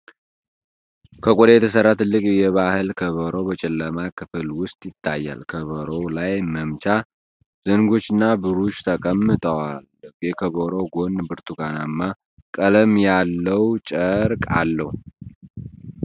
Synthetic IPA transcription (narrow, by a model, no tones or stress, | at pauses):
kʰəkʼod̪ejɛt̪ʰəsəɾːat̪ʰɨlːɨkʼjɛβahɨlkʰəβəɾo̞bət͡ʃʼɛlːəmakʰɨfɨlwʊst̪ʼjɪt̪ʰːajːa̰lkʰəβəɾo̞lajməmt͡ʃa | z̥əŋɡo̞t͡ʃːɪnːabɨɾut͡ʃːt̪ʰəkʼəmːɨt̪ʼəwalɡekʰəβəɾo̞ɡo̞nbɨɾt̪ʰuɡanamːa | kʼələmjalːəwt͡ʃʼəɾkʼa̰lːəhu